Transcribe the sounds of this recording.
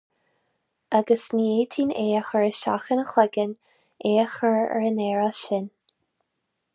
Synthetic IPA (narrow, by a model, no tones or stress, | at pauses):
aɡəsnieːt̪ʰiːneːəxəɹəʃa̰xənəxlɛɡən | ʔeːəxəɹɛ̰ɹənɛːɹəʃɪn